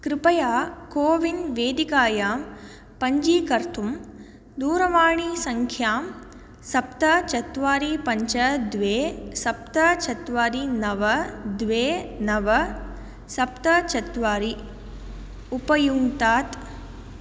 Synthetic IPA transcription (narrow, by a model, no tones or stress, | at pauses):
kɾɪpɐjaːkoːʋinʋeːd̪ikaːjaːm | pɐɲd͡ʒiːkɐɾt̪ʰum | d̪uːɾɐʋaːɳisɐŋkʰjaːm | sɐp̚t̪ɐt͡ʃɐt̪ʋaːɾipɐɲt͡ʃɐd̪ʋeːsɐp̚t̪ɐt͡ʃɐt̪ʋaːɾinɐʋɐd̪ʋeːnɐʋɐ | sɐp̚t̪ɐt͡ʃɐt̪ʋaːɾi | upɐjuŋt̪aːt̪